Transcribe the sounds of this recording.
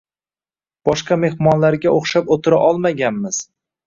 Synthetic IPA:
b̥ɒʃqɑme̞hmɒnlaɾɡʲaoχʃapot̪ʰɪɾaʔɒlˠmaɡʲanmɪz̥

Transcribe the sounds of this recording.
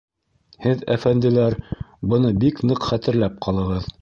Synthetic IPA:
hɘðæfænd̪ɘ̆læɾ | bɤ̆nɤbiknɤqχæt̪ɘ̆ɾlæp̚qʰɑlˠɤ̆ʁɤð

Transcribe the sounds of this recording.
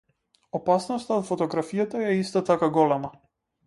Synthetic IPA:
ɔpasnɔst̪aot̪fɔt̪ɔɡɾafijat̪aɛist̪ɔt̪akaɡɔlɛma

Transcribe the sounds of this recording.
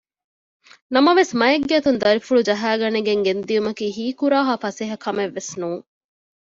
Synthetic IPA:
nɐmɐʋesmɐeɡːeːt̪und̪ɐɾifuɭud͡ʒɐɦæːɡɐneɡeŋɡend̪iumɐkiːɦiːkuɾaːɦaːfɐseɦɐkʰɐmeʋːesnuːŋ

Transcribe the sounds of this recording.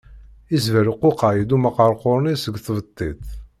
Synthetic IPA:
izvəɾuqːoqajid̪uməqɑɾˤqoɾnisəɡθvət̪ˤːiθ

